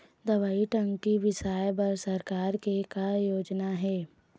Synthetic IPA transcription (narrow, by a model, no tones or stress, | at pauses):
d̪ɐʋaːiʈɐ̃ŋɡkiʋɪsaːjbɐɾsɐɾkaːɾkekajoːd͡ʒnaɦɛː